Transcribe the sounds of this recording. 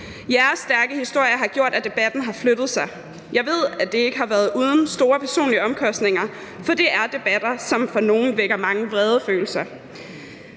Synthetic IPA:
jæɐsːd̥æɐɡ̥əhisd̥o̝ɐ̰jɐɦɑ̈ɡ̥jo̝ɐ̰d̥æd̥e̝b̥æd̥n̩ɦɑ̈flød̥ð̩ˠsɑ̈ɪ | jɑ̈ɪʋe̝ð̞̰ˠæd̥e̝e̝ɡ̥əɦɑ̈ʋæɐð̞ˠʔuːð̞ˠn̩sd̥o̝ːɐpʰæɐso̝̰ːnliəɒ̽mkʰɒ̽sd̥ne̝ŋɐ | fɒ̽d̥e̝ʔæɐd̥e̝b̥æd̥ɐsɒ̽mfɒ̽no̝ːn̩ʋeɡ̥ɐmɑ̈ŋəʋʁɛːð̞ˠəfø̰ːl̩sɐ

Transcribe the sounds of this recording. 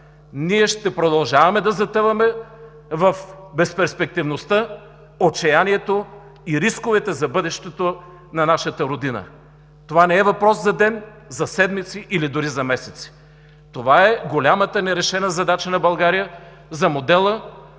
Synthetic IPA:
niɛʃt̪ɛpɾod̪ɐlˠʒavɐmɛd̪ɐzɐt̪ɤvɐmɛ | vɐfbɛspɛɾspɛk̚t̪ivnost̪ə | ot͡ʃɛjaniɛt̪o | iɾiskovɛt̪ɛzɐbɤd̪ɛʃt̪ɛt̪o | nɐnaʃɐt̪əɾod̪inə̰ | t̪ovanɛɛvɐpɾɔszɐd̪ɛn | zɐsɛd̪mit̪siʔilid̪ʊɾizɐmɛsɛt̪si̥ | t̪ovaɛɡolʲamət̪ənɛɾɛʃɛnəzɐd̪at͡ʃənɐbɐlˠɡaɾijə | zɐmod̪ɛlˠə

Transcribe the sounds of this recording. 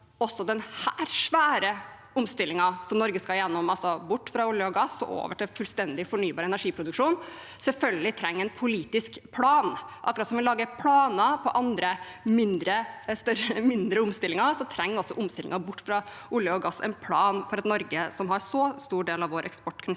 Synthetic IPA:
ɔsːɔd̪ɛnhæːɾʂʋæːɾə | ʊmst̪ɪlːɪŋɑsɔmnɔɾɡəskɑljɛnːɔmɑlsɔbʊʈːfɾɑʊljəɔɡɑsːɔ̰ʔo̰ːʋəʈɪlfʉlst̪ɛnd̪ɪfɔɳyːbɑːɾɛnæɾʂiːpʰɾʊd̪ʉkʂuːn | sɛlfœlɡəlɪt̪ʰɾɛŋːɛɪnpʰʊliːt̪ɪskpʰlɑːnʔɑkːɾɑt̪sɔmʋɪlɑːɡəpʰlɑːnəpʰɔʔɑnd̪ɾə | mɪnd̪ɾəst̪œɾəəmɪnd̪ɾəʊmst̪ɪlɪŋɑsɔt̪ʰɾɛŋːɔsːɔʔʊmst̪ɪlɪŋɑbʊʈːfɾɑ | ʔʊljəɔɡɑsːɛ̰ɪnpʰlɑːnfɔɾɑt̪nɔɾɡəsɔmɦɑɾsɔst̪uːɖeːlɑʋoːɾʔɛ̰kspɔʈːkʰn

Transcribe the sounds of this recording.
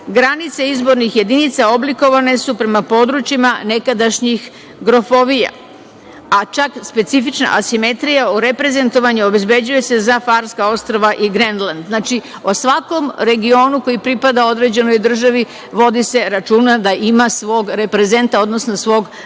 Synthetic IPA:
ɡɾanit̪seizbo̞ɾnixje̞d̪init̪sao̞bliko̞ʋane̞supɾe̞mapo̞d̪ɾut͡ɕimane̞kad̪aʃɲix | ɡɾo̞fo̞ʋija̰ | at͡ʃakspe̞t̪sifit͡ʃna̰ʔasime̞t̪ɾijauɾe̞pɾe̞ze̞nt̪o̞ʋaɲuo̞be̞zbe̞d͡ʑuje̞se̞zafaɾskao̞st̪ɾoʋaʔiɡɾenland̪znat͡ʃi | osʋako̞mɾe̞ɡio̞ːnuko̞jipɾipad̪ao̞d̪ɾe̞d͡ʑe̞no̞jd̪r̩ʒaʋi | ʋo̞d̪ise̞ɾat͡ʃuːnad̪aʔimasʋo̞ːɡɾe̞pɾe̞ze̞nt̪ao̞d̪no̞snosʋo̞ːɡ

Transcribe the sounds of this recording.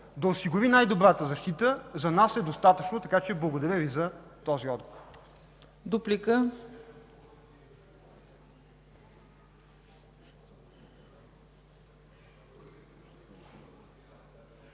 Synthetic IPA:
d̪ɐosiɡʊvinajd̪obɾat̪əzɐʃt̪it̪əzɐnasɛd̪ost̪at̪ət͡ʃnot̪ɐkat͡ʃɛblˠɐɡod̪ɐɾjəvizɐt̪ɔziɔd̪̚ɡovoɾ | d̪uplikə

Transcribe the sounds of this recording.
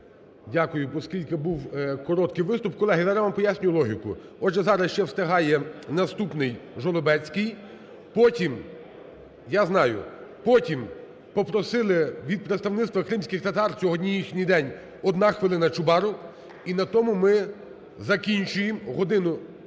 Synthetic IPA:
dʲakʊjʊpɔskʲilʲkɪbuwkɔɾɔt̪kɪjʋɪst̪ʊpkːɔlˠɛɦijzaɾɛʋɑmpɔjasʲnʲʊjʊlˠɔɦʲikʊ̰ɔdʒɛzɑɾɐsʃt͡ʃɛwst̪ɪɦɑjɛnɐst̪upnɪjʒɔlˠɔbɛt͡sʲkɪj | pɔtʲim | jaznɑjʊ̰pɔtʲim | pɔpɾɔsɪlˠɪʋʲid̪̚pɾet̪st̪ɐʋnɪt̪st̪ʋɐkɾɪmsʲkʲɪxt̪ɐt̪ɑrt͡sʲɔɦɔdʲnʲijixnʲijd̪ɛnʲ | ɔd̪nɑxʋɪlˠɪnɐt͡ʃʊbɑɾʊ | inɐt̪ɔmʊmɪ | zɐkʲinʲt͡ʃʊjemɦɔd̪ɪnʊ

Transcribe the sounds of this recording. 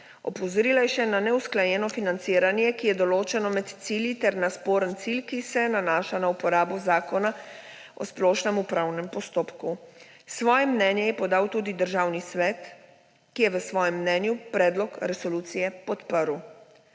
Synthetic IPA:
ɔ̰pɔzɔɾilajɛʃɛnanɛusklajɛːnɔfinant̪siːɾanjɛkijɛd̪ɔloːt͡ʃɛnɔmɛt̪t̪siːljit̪ɛɾnaspoːɾənt̪silkisɛnanaːʃanaupɔɾaːbɔzaːkɔna | ɔ̰splɔːʃnɛmupɾawnɛmpɔst̪oːpku | sʋɔːjɛmnɛːnjɛjɛpɔd̪aːwt̪uːd̪id̪əɾʒaːwnisʋɛːt̪ | kijɛʋəsʋɔːjɛmːnɛnjupɾɛːd̪lɔkɾɛsɔlut̪sijɛpɔt̪pəɾw

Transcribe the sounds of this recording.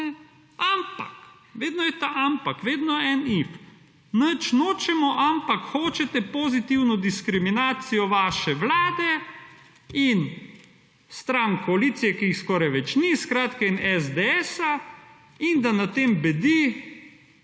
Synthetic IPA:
ɛ | ampa̰k | ʋeːd̪nɔjɛt̪aʔampakʋeːd̪nɔɛnif | nət͡ʃnoːt͡ʃɛmɔʔampakxoːt͡ʃɛt̪ɛpozit̪iwnɔd̪iskɾiminaːt̪sijɔʋaːʃɛʋlaːd̪ɛ | in | st̪ɾaŋkɔaliːt̪sijɛkiixskɔːɾajʋɛt͡ʃniskɾaːt̪kainɛzd̪ɛɛːsa | ind̪anat̪eːmbɛd̪i

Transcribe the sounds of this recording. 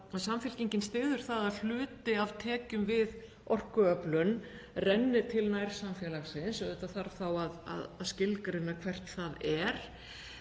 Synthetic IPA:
aðsamfjɛlciɲcɪnst̪ɪːðʏɾ̥θaðaðl̥ʏːt̪ɪavt̪ʰɛːcʏmvɪð | ɔr̥kʏœplʏn | rɛnːɪt̪ʰɪlnajɾ̥samfjɛlaxsɪnsɔɛht̪aθaɾθawaða̰ðaðscɪlkaɾɪnːakʰv̥ɛr̥t̪θaðɛɾ̥

